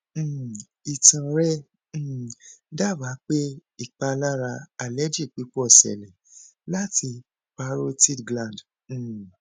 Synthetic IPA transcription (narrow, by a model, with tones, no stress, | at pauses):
i˨tũ˨ɾɛ̃˦˨ | da˦˨wa˨˦k͡pe˦i˦˨k͡pa˧la˦ɾa˧a˨lɛ˦d͡ʒi˦˨k͡pi˨˦k͡pɔ˦˨sɛ̰˨lɛ˨la˦ti˧ | k͡pa˦ɾo˦ti˦dɡlã˨d̩̃˨